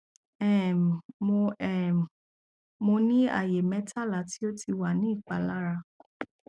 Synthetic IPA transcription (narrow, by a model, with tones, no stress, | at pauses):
ɛ˨mo˧ɛ˨ | mo˧nĩ˦a̰˦˨je˨mɛ̃˨˦tʰa˦˨la˨˦ti˦o˦ti˧wa˦˨nĩ˨˦i˦˨k͡pa˨la˦ɾa˧